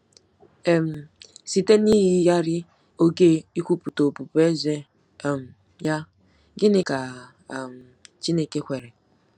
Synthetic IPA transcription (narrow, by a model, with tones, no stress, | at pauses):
e˨m̩˨si˦te˦ni˦ɦi˦ja˦ɾɪ˦ | o˦ɡe˦i˦kʷu˦pu˨to˨pu˨pe˦ze˦˨ | m̩˨ | ja˦ | ɡɪ˦nɪ˦ka˨ | m̩˨t͡ʃi˦ne˦ke˦kʷe˨ɾe˨